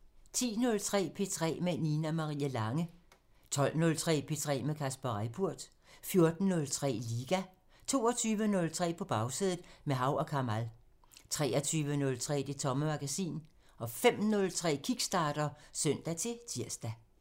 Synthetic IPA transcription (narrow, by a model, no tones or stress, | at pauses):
t͡sʰḭːnɔ̽lt͡sʰʁɛ̰ːpʰe̝̰t͡sʰʁɛ̰ːmeninæmɑ̈ʁḭːælɑ̈ŋə | t͡sʰɒ̽l̰nɔ̽lt͡sʰʁɛ̰ːpʰe̝t͡sʰʁɛ̰ːmekʰæsb̥ɐʁapʰuɐ̰d̥ | fjo̝ɐd̥n̩nɔ̽lt͡sʰʁɛ̰ːliːɡ̥æ | t͡sʰo̝̰ːɒt͡sʰyːʋənɔ̽lt͡sʰʁɛ̰ːpʰɒ̽b̥ɑ̈ʊsiðˠð̩ˠmeɦɑ̈ʊʔɒ̽kʰɑ̈mæl | t͡sʰʁɛːɐt͡sʰyːʋənɔ̽lt͡sʰʁɛ̰ːd̥e̝t͡sʰɒ̽məmɑ̈ɡ̥æsḭːn | ɒ̽fem̰nɔ̽lt͡sʰʁɛ̰ːkʰiɡ̥sd̥ɑ̈ːd̥ɐsœn̰d̥æt͡sʰe̝t͡sʰiɐsd̥æ